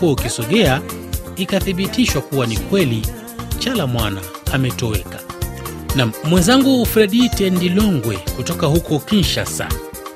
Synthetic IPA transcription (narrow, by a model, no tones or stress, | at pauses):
uaukisɔɠɛaikaθiɓitiʃwakuwanikwɛli | t͡ʃalamwanaː | mɛtɔɛkḁ | nam̩ːwɛnzaŋɡufɾɛɗitɛndilɔŋɡwɛkutɔkahukɔkinʃasa̰